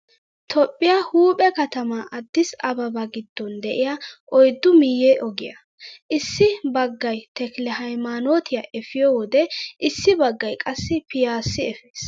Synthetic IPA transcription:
t̪ʰɔpʼːɪjahuːpʼɛkɐt̪ɐmɐʔɐd̪ːɪsɐbɐbɐɡɪd̪̥ːɔnd̪ɛʔɪjɐʔɔjd̪ːʊmɪjeʔɔɡɪjɐ | ʔɪsːɪbɐɡːɐjt̪ɛklɛhɐjmaːnoːt̪ʰɪjɐʔɛfɪjɔwɔd̪ɛʔɪsːɪbɐɡːɐjkʼɐsːɪpɪjaːsːɪɛfeːs

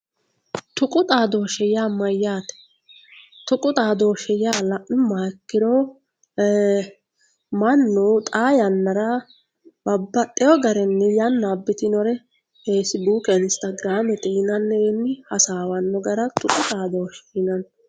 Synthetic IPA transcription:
t̪ʊkʼʊt̪ʼaːd̪oːʃɛjaːmɐjːaːt̪ɛ̥ | t̪ʊkʼʊt̪ʼaːd̪oːʃɛjaːlɐʔɪmaːkːɪɾɔ | mɐnːot̪ʼaːjɐnːɐɾɐ | bɐbːɐt̪ʼːɛjɔɡɐɾɛnːɛjɐnːaːbːɪt̪ɪnɔɾɛ | eːsɪbuːkɛɪnɪst̪ɐɡɾaːmɛt̪ʼinɐnːɛɛnːɪhɐsaːwɐnːɔɡɐɾɐt̪ʊkʼʊt̪ʼaːd̪oːʃi̥nɐn

